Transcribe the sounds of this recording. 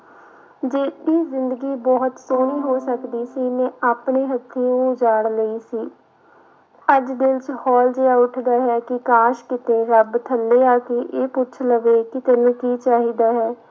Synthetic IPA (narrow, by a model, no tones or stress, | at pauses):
d͡ʒeːɗiːzɪnd̪əɡiːbɔːɦt̪soːniːɦoːsəkd̪iːsiːnẽːaːpɳeːɦət̪ʰːiũːd͡ʒaːɽləiːsiː | əd͡ʒd̪ɪlt͡ʃhɔːld͡ʒeːaːʊʈʰd̪aːɦɛːkɪkaːʃkɪt̪eːɾəbt̪ʰəlːeːaːkeːʔeːpʊt͡ʃʰləʋeːkɪk̪ənĩːkiːt͡ʃaːɦiːd̪aːɦɛː